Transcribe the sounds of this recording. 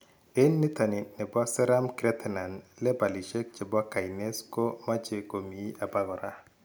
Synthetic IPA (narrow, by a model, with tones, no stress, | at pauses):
e˦nːi˦ta˨ni˨nɛ˨bɔ˦sɛ˦ɾa˦mkɾɛ˦t̪ɛ˨na˨nlɛ˦ba˨li˨ʃe˦k̚t͡ʃe˨bɔ˦ka˨i˨ne˦sko˦ma˦t͡ʃe˨ko˨mi˨˦a˨ba˦ɡɔ˨ɾa˦